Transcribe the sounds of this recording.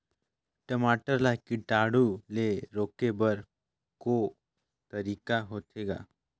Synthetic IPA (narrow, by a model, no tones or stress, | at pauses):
ʈəmaːʈəɾlakiʈaːɽuleɾoːkebəɾ | ko | t̪ɐɾiːkaɦoːt̪ʰeːɡa̰ː